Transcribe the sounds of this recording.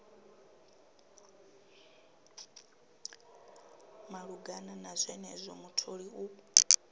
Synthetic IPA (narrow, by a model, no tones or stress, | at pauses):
maɺuɡananazʷɛnɛzʷɔmutʰoɺiu